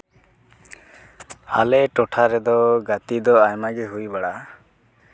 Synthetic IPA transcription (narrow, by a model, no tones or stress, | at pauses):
a̰lɛʈɔʈʰaɾɛd̪ɔɡat̪id̪ɔajmaɡɛɦujbaɽa